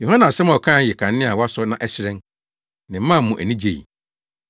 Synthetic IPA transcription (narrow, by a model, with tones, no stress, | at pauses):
jo˨hã˦nã˨sɛ˦mɔ˨kʰã˦˨jɪ˨kʰã˨nː˦ɪ̃˦a˨wa˦sʊ˦nã˨ʔɛ˦ɕɪ˦ɾɛ̃˦n | nɪ̃˨m˦mã˦˨˦mʊ̃˨ʔæ˨nĩ˦d͡ʑe˨jḭ˨